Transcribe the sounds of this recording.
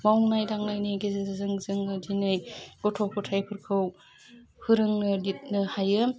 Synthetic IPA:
mawŋnajdaŋnajnejɡezɯzzɯŋzɯŋnɯdinɯjɡ̥ɔtʰopʰɯtʰajpʰɯɾkʰɯw | hɯɾɯŋnɯlit̚nɯhajɯ

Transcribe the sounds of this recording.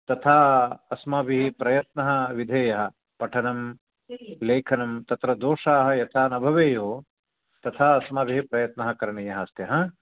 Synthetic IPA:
t̪ɐt̪ʰaːɐsmaːbʱiɦipɾɐjɐt̪nɐɦɐ̆ʋid̪ʱeːjɐɦɐ̆ | pɐʈʰɐnɐm | leːkʰɐnɐmt̪ɐt̪ɾɐd̪oːʂaːɦɐ̆jɐt̪ʰaːnɐbʱɐʋeːjoː | t̪ɐt̪ʰaːɐsmaːbʱiɦipɾɐjɐt̪nɐɦɐ̆kɐɾɐɳɐjɐɦɐst̪jɐɦɐ

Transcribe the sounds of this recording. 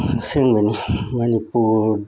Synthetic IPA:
seŋɡonimanipu

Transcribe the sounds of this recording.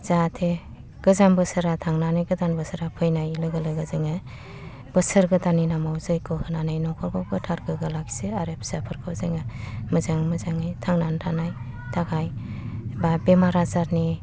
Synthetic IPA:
zatʰe | ɡ̥ɯzambɯsɯɾatʰaŋnanɯjɡɯdanbɯsɯɾapʰɯjnajlɯɡɯlɯɡɯzɯŋa | bɯsɯɾɡɯtaninamawzɯjkʰɔhɯnanajnɔkʰɔɾkʰɔwɡɯtʰaɾɡɯɡɯlaɡseaɾepʰsapʰɯɾkʰɯwzɯŋamɯzaŋmɯzaŋajtʰaŋnantʰanaj | tʰaɡajbabemaɾazaɾni

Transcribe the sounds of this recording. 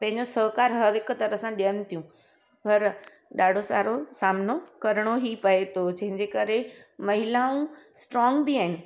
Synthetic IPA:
pɐ̃ɦɪ̃ɲd͡ʑosɐɦkaːɾɦɐɾɦɪkt̪ɐɾəsãɗijənɪ̆t̪ʰijũ | pɐɾ | ɗaːɖʱosa̰ːɾosaːmnokɐɾɽ̃oɦipɐet̪ʰod͡ʑɐ̃ɦɪ̃ɲd͡ʑekɐɾemɐɦɪlaũsʈɾɔːŋɡbiaːɪnɪ̆

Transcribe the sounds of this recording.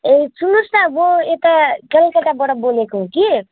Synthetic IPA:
et͡sunusnamoet̪akʌlkaʈabʌɽʌbolekoɦõki

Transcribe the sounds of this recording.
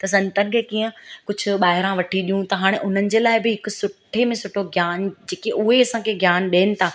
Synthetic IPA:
t̪ɐs̬ɐ̃nt̪ənɪ̆kʰeːkiːə̃kʊd͡ʑʱʊ̆ɓaːɦɪɾãʋɐʈʰiɗijũt̪ɐɦaːɽ̃eʔʊn̤ənɪ̆d͡ʑeːlaːɪbɪɦɪkʊ̆sʊʈʰemẽsʊʈʰoɡʱjaːnd͡ʑeːkeʊɦeɐsãkʰeɡʱjaːnɗeːnɪ̆t̪ʰaː

